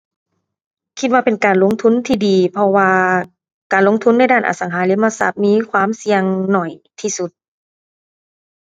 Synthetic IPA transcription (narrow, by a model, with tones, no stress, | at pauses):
kʰi˧t̪̚waː˧pe˨nkaː˨˩nlo˧˥˨ŋt̪ʰu˧˥˨nt̪ʰiː˧diː˨˩pʰɔ˧waː˧ | kaː˨˩nlo˧˥ŋt̪ʰu˧˥˨nːa˧˥jdaː˧˥˩nʔa̰˨˩sa˨˦ŋɦaː˨˦le˧˥˦maː˧sa̰˧˩t̪̚miː˧˥˨kʰwaː˧˥˨msi˧əŋnɔ˨˩jt̪ʰiː˧su˧˦t̪̚